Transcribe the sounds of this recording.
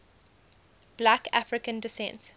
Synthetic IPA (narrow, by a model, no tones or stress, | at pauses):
b̥lækafɹɪkə̃ndɪsɛ̰̃nt